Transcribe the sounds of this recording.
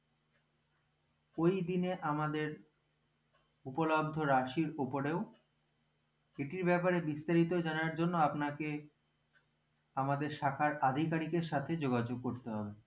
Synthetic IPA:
ojd̪ineʔamad̪eɾ | upolob̚d̪ʱoɾaʃiɾopoɾeo | eʈiɾbɛpaɾebist̪aɾit̪od͡ʑanaɾd͡ʑonːoapnake | amad̪eɾʃakʰaɾad̪ʱikaɾikeɾʃat̪ʰed͡ʑoɡad͡ʑoɡ̚koɾt̪eɦɔbe

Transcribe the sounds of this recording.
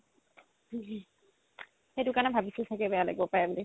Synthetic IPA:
xejdʊkanɛbʱabisilt̪ʰakɛbɛala̰jɡbɔpajabuli

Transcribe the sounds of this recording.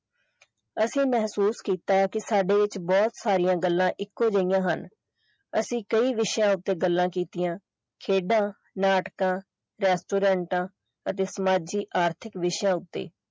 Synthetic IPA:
əsĩːmɛɦsuːskiːt̪aːkɪsaːɖeːɪt͡ʃbɔːt̪saːɾijãːɡəlːãːʔɪkːõːd͡ʒəɪjãːɦən | əsĩːkəiːʋɪʃjãːʊt̪ːeːɡəlːãːkiːt̪ɪjãː | kʰeːɖãː | naːʈkãː | ɾɛːsʈoːɾɛ̃ːɳʈãː | ət̪eːsəmaːd͡ʒiːʔaːɾt̪ʰɪkʋɪʃjãːʊt̪ːḛː

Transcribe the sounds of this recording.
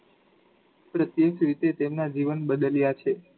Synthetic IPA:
pɾət̪jəʃʋit̪et̪emnad͡ʒiʋənɓəd̪əljat͡ʃʰe

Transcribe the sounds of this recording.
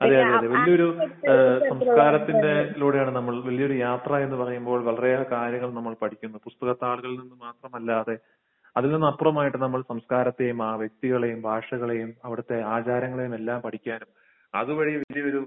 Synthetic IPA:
ɐðeɐðeɐðeʋɐlijɐo̞ɾu | sɐmskaːɾɐt̪ːinde̞luːɽejaːɳɨnɐmːɐɭʋɐlijo̞ɾujaːt̪rɐe̞nːɨpɐrɐjumbo̞ːɭʋɐɭɐrejakaːɾjɐŋːɐɭnɐmːɐɭpɐʈʰikʲːunːupust̪ɐɣɐt̪ːaːɭuɣɐɭilninːɨmaːt̪rɐmɐlːaːðe̞ | ɐðilnenːɐpːurɐmaːjiʈːɨnɐmːɐɭsɐmskaːɾɐt̪ːe̞jumaːʋjek̚t̪iɣɐɭe̞jumbʱaːʂɐɣɐɭe̞jumɐʋiɽɐt̪ːe̞aːt͡ɕaːɾjɐŋːɐɭe̞jume̞lːaːmpɐʈʰikʲːaːnum | ɐðuʋɐɻijʋɐlijɐo̞ɾu

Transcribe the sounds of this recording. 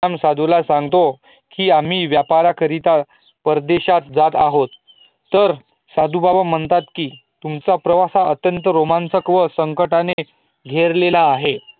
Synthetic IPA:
amsad̪ulasãŋɡt̪o | kiːam̤iːʋjapaɾakʰəɾit̪a | pəɾd̪eɕat̪d͡zat̪aɦot̪ː | əɾ | sad̪ubabam̤əɳt̪at̪kiː | t̪umt͡sapɾəʋasaʔət̪jənt̪əɾomansəkʋəsəŋkəʈane | ɡʱeɾlelaːɦe

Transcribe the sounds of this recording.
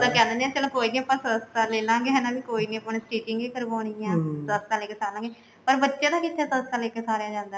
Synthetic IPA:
d̪ãːkɛ̃ːd̪ənd̪ẽãːt͡ʃəlãːkoːiːnĩːəpːãːsəst̪aːleːlãːɡeːɦɛːnãːbiːkoːiːnĩːəpːaːnesʈiːʈɪŋɡiːkəɾʋaːɳ̃iãːsəst̪ãːleːkeːsaːlãːŋɡeː | pəɾbətːʃeːd̪aːkɪt̪ʰːɛːsəst̪aːleːkeːsaːɾeaːd͡ʒãːnd̪aː

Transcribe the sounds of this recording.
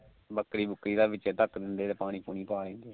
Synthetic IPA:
bəkɾiːbʊkːɾiːd̪aːbɪt͡ʃɛt̪əkd̪ɪnd̪eːt̪eːpaːɽ̃iːpuːñiːpaːɾẽːnd̪eː

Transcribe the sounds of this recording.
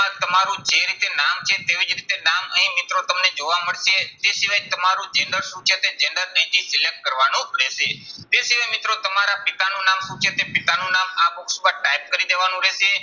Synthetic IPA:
ãt̪əmaɾũd͡ʒeɾit̪enamt͡ʃʰet̪eʋid͡ʒɾit̪enaməɦĩmɪt̪ɾot̪əmned͡ʒoʋaməɭʃet̪esiʋajt̪əmaɾũd͡ʒɛɳɖəɾʃũt͡ʃʰet̪ed͡ʒɛ̃ɳɖəɾnə̃ĩt̪ʰisɪlek̚ʈ̚kəɾʋanũɾɛʃet̪esiʋajmɪt̪ɾot̪əmaɾapɪt̪anũnamʃũt͡ʃʰet̪epɪt̪anũnamaboksubaʈajp̚kəɾid̪eʋanũɾɛʃe

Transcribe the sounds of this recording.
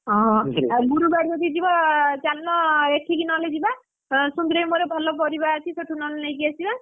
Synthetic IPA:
ɦɔ̃ɡuɾubaɾiɔt̪id͡ʒibat͡ʃalːɔeʈʰikinɔled͡ʒiba | sund̪ɾejmoɾebʱɔlɔp̬ɔɾibaːt͡ʃʰisoʈʰunɔllajkiasiba

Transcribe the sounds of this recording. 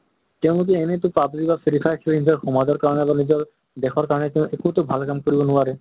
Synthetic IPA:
t̪eũnuk̬ienet̪upabzibafʰiɾifʰajkʰilind͡ʑaɾkʰɔmad̪ɔɾkaɾɔnebanid͡ʑɔɾ | d̪ekʰwaɾkaɾɔnet̪eũʔekut̪obʱalkamkoɾibonuaɾe

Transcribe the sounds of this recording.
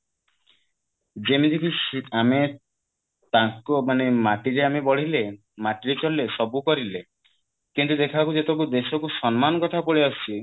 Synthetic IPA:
d͡ʒemid̪ʱikisame | t̪aŋkomanemaʈiɾeamebɔɽ̤ile | maʈiɾet͡ʃɔlːesɔbukɔɾile | kint̪ud̪ekʰakud͡ʒet̪ɔk̬ud̪esɔkusɔnmanɔkɔʈ̪ʰapoɭiɔt͡ʃʰi

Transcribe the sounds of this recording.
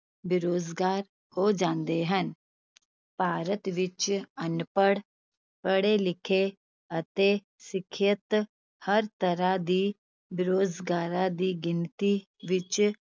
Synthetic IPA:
bɪɾoːd͡ʒɡaːɾ | hod͡ʒãːnd̪eɦən | paːɾət̪ʋɪt͡ʃənpəɽ | pəɽelɪkʰe | ɐt̪e | sɪkʰjət̪ | həɾt̪əɾad̪iː | bɪɾoːd͡ʒɡaːɾãd̪iːɡɪnt̪i | ʋɪt͡ʃ

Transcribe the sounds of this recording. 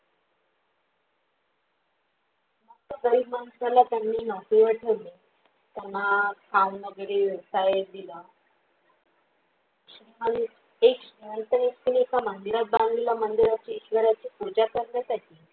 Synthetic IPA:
mək̚t̪əd̪əɾimanusalat̪janːiːnɔkiʋəʈʰəʋle | t̪anːakʰannəɡɾeʋəsajd̪ila | ɕɾimən | ekɕɾiʋənt̪əniskuniekamənd̪iɾat̪̚bãŋɡilamənd̪iɾat͡ɕaiɕʋəɾat͡ɕiːpud͡ʑakəɾɳjat̪aʈiː

